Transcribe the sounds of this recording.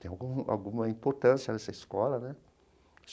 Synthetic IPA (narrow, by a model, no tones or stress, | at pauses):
t̪ẽj̃awɡũa̰wɡũmɐĩpoɾt̪ɐ̃sjɐnɛsɐiskɔlɐnɛ